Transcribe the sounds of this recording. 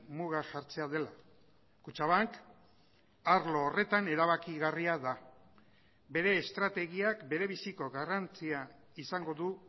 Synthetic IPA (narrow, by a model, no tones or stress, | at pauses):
muɣaʝaɾt͡se̞að̞e̞la | kut͡ʃaβaŋk | aɾlo̞ːre̞t̪ane̞ɾaβakiɣariaða | be̞ɾe̞ːst̪ɾat̪e̞ɣ̞iakbe̞ɾe̞βisiko̞ɣarant͡sia | isaŋɡo̞ðu